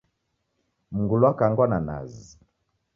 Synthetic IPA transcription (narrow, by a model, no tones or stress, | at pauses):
m̩ɡulwakaŋɡwanana̰zi